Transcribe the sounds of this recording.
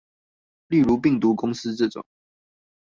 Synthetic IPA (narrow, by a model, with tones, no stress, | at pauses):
li˥˨ɻu˨˧˦pi˥˨˩ŋt̪u˨˦kʊ˦˥ŋs̩˦ʈ͡ʂɤ˥˨˩ʈ͡ʂʊ̰˨˩˦ŋ